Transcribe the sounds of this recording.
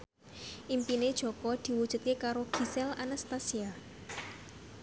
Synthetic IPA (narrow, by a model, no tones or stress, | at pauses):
ʔimpined̥ʒ̥ɔ̤kɔd̪̥i̤wud̥ʒ̥ṳt̪̚kekaɾoɡ̥i̤sɛlanast̪asia